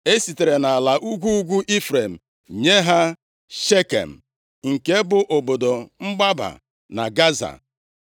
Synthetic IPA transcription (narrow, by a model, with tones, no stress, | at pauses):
e˦si˨te˨ɾe˨na˨a˨la˨ʔu˦ɡʷu˦u˦ɡʷu˦ʔi˦fɾe˨m̩˨ɲe˦ɦa˦ | ʃe˦kḛ˨m̩˨ | ŋ̩˨ke˦bʊ˨ʔo˨bo˨do˨ŋ͡m̩˦ɡ͡ba˦ba̰˨ | na̰˨ɡa˦za̰˨